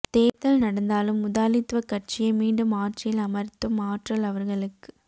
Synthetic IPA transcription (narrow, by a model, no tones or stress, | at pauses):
t̪eːt̪ɐlnɐɽɐnd̪aːlɯmːʊðaːlɪt̪ːʋɐkɐʈ̚t͡ʃɪjɐmiːɳɖɯmaːʈrɪjɪlɐmɐɾt̪ːɯmaːʈrɐlɐʋɐɾɣɐɭɯkːɯ̥